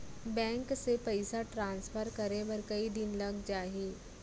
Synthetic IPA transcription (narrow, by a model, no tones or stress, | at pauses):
bɛ̃ŋksepəjsaʈɾãnsfʰəɾkəɾeʋəɾkɐid̪inləɡd͡ʒaːɦi